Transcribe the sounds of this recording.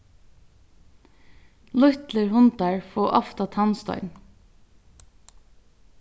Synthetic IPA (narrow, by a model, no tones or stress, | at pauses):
lʊt̪ləɹhʊnt̪æɹfoːʔɔft̪ɑt̪ʰɑnst̪œ̰ʏn